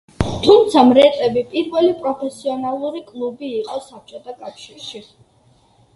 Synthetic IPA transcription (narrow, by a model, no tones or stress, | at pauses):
t̪ʰumt̪sʰamɾɛt̪ʼɛbipʼiɾvɛlipʼɾɔpʰɛsiɔnalˠuɾikʼlˠubiːqʼɔsap̚t͡ʃʼɔt̪ʰakʼafʃiɾʃi